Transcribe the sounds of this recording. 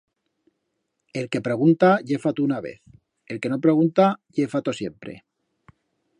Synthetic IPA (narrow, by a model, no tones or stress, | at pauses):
e̞lke̞pɾe̞ɣ̞unt̪aʝe̞fat̪unaβe̞̰θ | e̞lke̞no̞pɾe̞ɣ̞unt̪aʝe̞fat̪o̞sje̞mpɾḛ